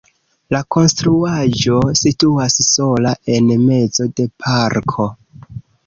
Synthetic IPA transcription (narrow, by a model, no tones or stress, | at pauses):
lako̞nstɾuaʒo̞situasso̞laʔe̞nme̞zo̞de̞pʰaɾkʰo̞